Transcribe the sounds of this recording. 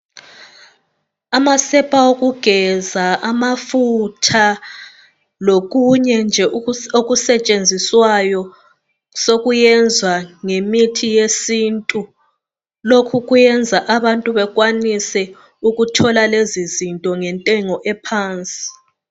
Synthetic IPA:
amasɛpʼaoɣuɡ̥ʱɛzaamafutʰa | loɣuɲɛnd͡ʒʱɛʔoɣusɛt͡ʃʼend͡zʱiswajɔ | soɣujɛnd͡zʱwaŋemitʰijesintʼu | lokʰuɣujɛnd͡zʱaʔaβantʼuβɛɣwanisɛ | uɣutʰɔlalezizintʼɔŋɛntʼɛŋɔʔɛpʰaːnt͡sʼi̥

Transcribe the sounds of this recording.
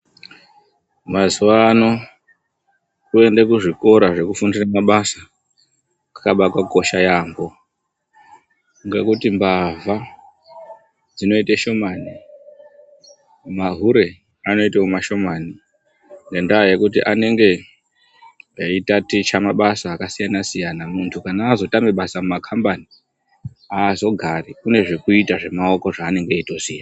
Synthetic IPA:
mazuwano̞ | kue̞ndekuʐiko̞ɾaʐe̞kufundiramaɓasa | akaɓatwako̞ʃajaːmbo̞ | ŋɡekutimbavʱa | d͡zino̞iteʃo̞mani | maɦuɾe̞ | ano̞iteumaʃo̞mani | ŋɡendaːjekutiʔane̞ŋɡe̞ | itatit͡ʃamaɓasaːkasijanasijanamuntʰukanaːzo̞tameɓasamumakʰambani | aːzo̞ɡʱarikune̞ʐe̞kuitaʐe̞mao̞ko̞ʐaːne̞ŋɡe̞itosijana

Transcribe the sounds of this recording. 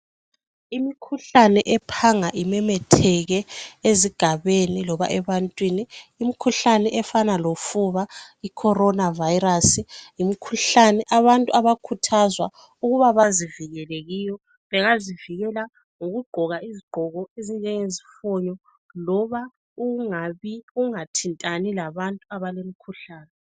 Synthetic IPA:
imikʰuɬanɛʔɛpʰaŋaʔimɛmɛtʰɛɣɛeziɡ̥ʱaβenilɔβa̰ʔɛβantʼwiniːmikʰuɬanɛʔɛfanalofuβaikʰɔɾɔnavajiɾasijimikʰuɬanɛʔaβantʼuaβakʰutʰazwa | uɣuβaβaziviɣɛleɣiːjɔ | βɛɣaziviɣɛla | ŋoɣuɡ͡ǃʱɔɣaiziɡ͡ǃʱɔɣɔezind͡ʒʱɛŋezifɔɲɔ | lɔβa | uŋaβiuŋatʰintʼanilaβantʼuaβalemikʰuɬaːnɛ

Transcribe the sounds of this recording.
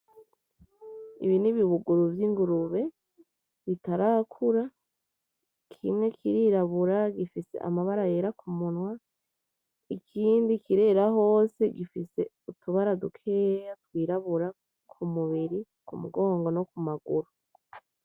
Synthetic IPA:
ḭβiniβiβuɡuɾuvjiŋɡuɾuβe̞ | βitaɾakʰuɾa | kʰimŋe̞kʰiɾiɾaβuɾaɡifise̞̰ʔa̰maβaɾaje̞ːɾakʰumunwa | ikʰiːndikiɾe̞ɾaɦo̞ːse̞ɡifise̞̰ | utuβaɾadukʰe̞ːjatwiːɾaβuɾa | kʰumuβiɾi | kumṵɡo̞ːŋɡo̞no̞kumaɡuɾu

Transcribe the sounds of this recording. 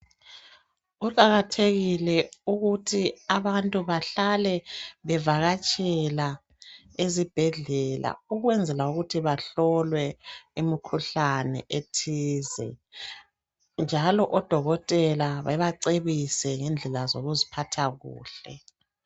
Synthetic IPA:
uǃaɣatʰeɣilɛuɣutʰiaβantʼuβaɬalɛβɛvaɣat͡ʃʼɛla | ezib̥ʱɛɮɛla̰uɣwɛnd͡zʱɛlauɣutʰiβaɬɔlwɛimikʰuɬanɛ̰ʔetʰiːzɛ̰ | nd͡ʒʱalɔʔɔd̥ʱɔɣɔtʼɛlaβaβaǀeβisɛŋɛnd͡ɮʱɛlazoɣuzipʰatʰaɣṵːɬɛ

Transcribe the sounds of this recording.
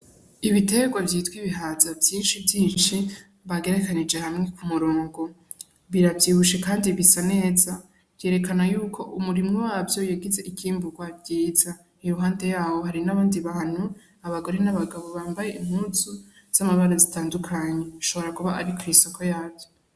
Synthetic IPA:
iβite̞ɡwavjiːtwiβiɦazavjiːnʃivjiːnʃi | βaɡe̞ɾe̞kanid͡ʒe̞hamŋe̞kumuɾoːŋɡo̞ | βiɾavjiːβuʃe̞kaːndiβisane̞ːza | βje̞ːɾe̞kanajuːkʰo̞ʔumuɾimŋowaːvjo̞jaɡize̞ʔikʰiːmbuɡwabjiːza | iɾuɦaːnde̞jaːho̞ɦaɾinaβaːndiβahan̥u | aβaɡo̞ɾe̞naβaɡaβo̞βaːmbaje̞ʔim̥huːsu | z̥amaβaɾazitaːndukʰaɲeiʃo̞βo̞ɾakuβaʔaɾikʰuiso̞kʰo̞jaːvjo

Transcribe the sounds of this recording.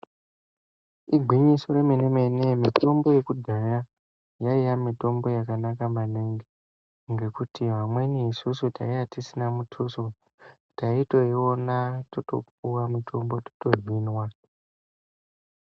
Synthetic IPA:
iɡʱwiɲiso̞ɾe̞mineme̞nemito̞mbo̞je̞kudʱaja | jaijamito̞mbo̞jakanakamaneŋɡe | ŋɡe̞kutiɦamwe̞niisusutaijatisinamutʰuso | taito̞iwonatoto̞̰p̚uwamitʰo̞mbo̞to̥to̞rwinwa

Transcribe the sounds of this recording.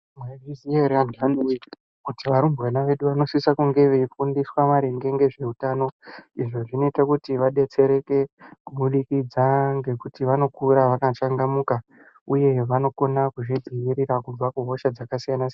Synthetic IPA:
mwerizieɾanɡani | kutiʋaɾumbwanaʋe̞ɗuʋano̞sisakuŋɡe̞ʋeifundiswamaɾeŋɡe̞ŋɡe̞ʐe̞utaːno̞iʐo̞ʐino̞itakutiʋaɗe̞t͡se̞ɾe̞ke̞kuɓuɗikid͡zaŋɡe̞kutiʋano̞kuɾaʋakat͡ʃaŋɡamuka | uje̞ʋano̞ko̞nakuʐid͡ziʋiɾiɾakub͡vakuɦo̞ʃad͡zakasijanas

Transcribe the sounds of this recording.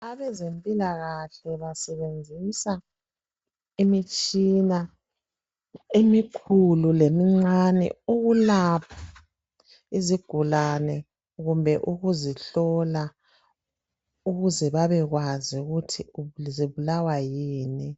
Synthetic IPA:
aβɛzempʼilaɣaɬɛβasɛβend͡zʱisa | imit͡ʃʼina | emikʰululemiŋ͡ǀanɛ̰uɣulapʰḁ | iziɡ̥ʱulanɛ | ɣumbʱɛʔuɣuziɬɔla | uɣuzɛβaβɛɣwaziuɣutʰiuziβulawajiːni

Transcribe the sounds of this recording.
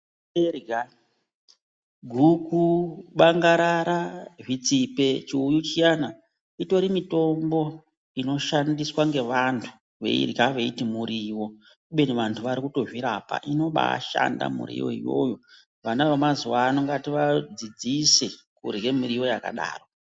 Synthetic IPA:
erɡa | ɡʱukuɓaŋɡaɾaɾaʐit͡sipe̞t͡ʃiujut͡ʃijana | ito̞ɾimito̞mbo̞ | ino̞ʃandiswaŋɡe̞ʋantʰu̥ | ʋḛḭrɡaʋe̞itimuɾiwo̞ | uɓeniʋantʰuʋaɾikuto̞ʐiɾapa̰ʔino̞ɓa̰ʃa̰nda̰mṵɾḭjo̞̰ḭjo̞̰jo̞ | ʋanaʋemazuʋaːno̞ŋɡatiʋad͡zid͡zise | kṵrɡe̞mirijo̞jaka̰ɗa̰ːro̞

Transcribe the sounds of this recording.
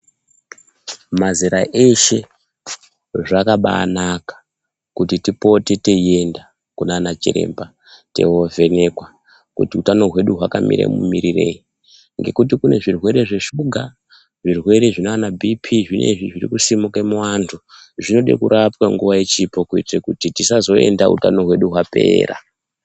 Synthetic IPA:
maziɾaʔe̞ʃe̞ | ʐakaɓa̰ːnakḁ | kutitipo̞tete̞je̞nda | kunaːnat͡ʃiɾe̞̰mba | te̞̰ovʱe̞ne̞kwa | kṵtiutano̞ɦwe̞ɗuɦwaka̰mḭɾḛmṵmiɾire̞̰ji | ŋɡe̞̰kut̬ikune̞ʐirwe̞ɾe̞ʐe̞ʃuɡʱa | ʐirwe̞ɾe̞ʐinoanabʱipʰiʐinʔe̞̰ʐiʐirḭkusimukemwantʰu | ʐino̞ɗḛkuɾapwaŋɡuʋajet͡ʃipokuitrekutitisazo̞e̞̰ndaṵtano̞ɦwe̞ɗuɦwape̞̰ːɾa̰

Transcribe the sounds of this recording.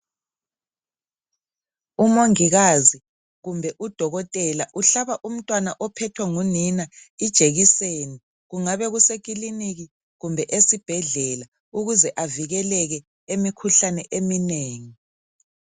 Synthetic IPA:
umoŋiɣazi | ɣumbʱɛʔud̥ʱɔɣɔtʼɛlaʔuɬaβaʔum̩tʼwanaʔɔpʰɛtʰwɛŋuninaid̥ʒ̥ʱeɣiseni | ɣuŋaβɛɣusek̬ʼiliniɣi | ɣumbʱɛʔesib̥ʱɛɮɛla | uɣuzɛʔaviɣɛlɛɣɛ | emikʰuɬanɛʔemineːŋi

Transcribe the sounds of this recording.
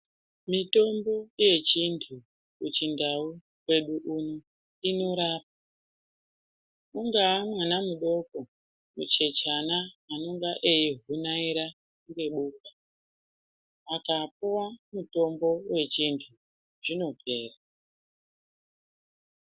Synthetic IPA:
mito̞mbo̞je̞t͡ʃintʰu | kut͡ʃindau | we̞ɗuʔuno | ino̞ɾaːp̚a | uŋɡaːmwanamuɗo̞ko | mut͡ʃe̞t͡ʃanaːno̞ŋɡaʔeiɦunaiɾa | ŋɡe̞ɓuːka | akap̚uwamuto̞mbo̞we̞t͡ʃintʰu | ʐ̥ino̞pe̞ːra

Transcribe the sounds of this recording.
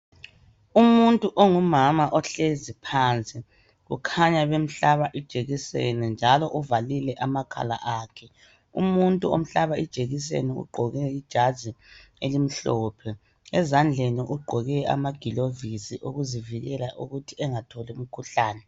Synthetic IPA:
umuntʼuʔɔŋumamaʔɔɬezipʰant͡sʼi | ɣṵkʰaɲaβem̩ɬaβaʔid̥ʒ̥ʱeɣisḛnɛnd͡ʒʱalɔʔuvalilɛʔamakʰa̰la̰ʔaːkʰɛ | ṵmuntʼuo̰m̩ɬaβaid̥ʒ̥ʱeɣis̬ḛnɛṵɡ͡ǃʱɔɣɛid̥ʒ̥ʱazi | elim̩ɬɔːpʰɛ | ɛzand͡ɮʱeniʔuɡ͡ǃʱɔɣɛa̰maɡ̥ʱilovisiʔoɣuziviɣɛlaʔuɣutʰiɛŋatʰɔlɛum̩kʰuɬaːnɛ

